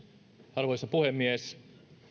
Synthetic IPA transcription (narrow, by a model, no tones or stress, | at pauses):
ɑrʋojsɑpuhemːies